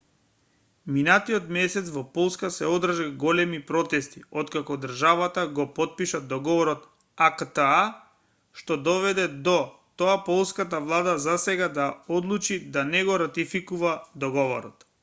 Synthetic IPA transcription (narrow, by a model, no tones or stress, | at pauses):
minat̪iɔt̪mɛsɛt̪svɔpɔlˠskasɛɔd̪r̩ʒaɡɔlɛmipɾɔt̪ɛst̪iɔt̪kakɔd̪r̩ʒavat̪aɡɔpɔt̪̚piʃad̪ɔɡɔvɔɾɔt̪ | akt̪aa | ʃt̪ɔd̪ɔvɛd̪ɛd̪ɔ | t̪oapɔlˠskat̪̬avlˠad̪azasɛɡad̪aɔd̪lˠut͡ʃid̪anɛɡɔɾat̪ifikuvad̪ɔɡɔvɔɾɔt̪